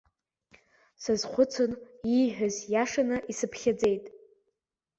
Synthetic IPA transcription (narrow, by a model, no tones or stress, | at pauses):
sɨzχʷʊt͡sʰoniħᶣʊzjaʂanɨʔisɨpʰχʲad͡ze̞jtʼ